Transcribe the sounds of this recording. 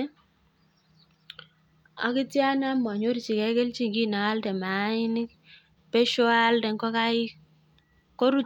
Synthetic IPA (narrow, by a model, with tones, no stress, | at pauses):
a̰˨ki˦ti˦a˦na˦m˨a˨ɲo˦ɾt͡ʃi˨kɛ˨˦kɛ˦lt͡ʃi˦ŋɡi˦˨na˨wa˦ldɛ˨ma˨˦i˦ni˦k | pɛ˦ʃɔ˦a˦a˦ldɛ˨ŋkɔ˦ka˦i˦ | kɔ˦ɾu˦